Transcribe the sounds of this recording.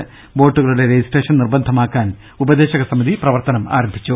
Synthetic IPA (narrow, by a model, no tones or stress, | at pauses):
bo̞ːʈːuɣɐɭuɽe̞ɾejsʈe̞ːʂɐnnirbɐnd̪ʱɐmaːkːaːn | ubɐd̪e̞ːɕɐɣɐsɐmiðiprɐʋɐrt̪ɐnɐma̰ːɾɐmbʱit͡ɕːu